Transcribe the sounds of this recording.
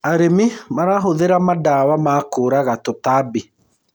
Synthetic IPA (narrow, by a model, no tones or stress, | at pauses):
aɾemimaɾaɦoðeɾamadawamaːkoːɾaɣatotaːbi